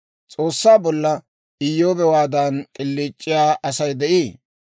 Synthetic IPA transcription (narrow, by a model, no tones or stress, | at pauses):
t͡sʼoːsːaːbɔlːɐ | ʔɪjːoːbɛwaːd̪ɐnkʼɪlːiːt͡ʃʼːɪjaːʔɐsɐjd̪ɛʔiː